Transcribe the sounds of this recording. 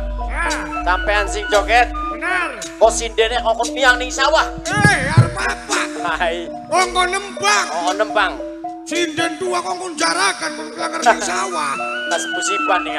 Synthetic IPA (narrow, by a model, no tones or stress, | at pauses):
sampɛansid͡ʒɔkɛt̪̚ | kɔsindɛneʔɔkɔnpiaŋniŋsawaheaɾpapakaai | ɔŋkɔnəmpaŋɔkɔnəmpaŋ | sindɛnt̪uakɔŋkɔnd͡ʒaɾakankɔnkəlaŋarnaŋsawahkaskusibani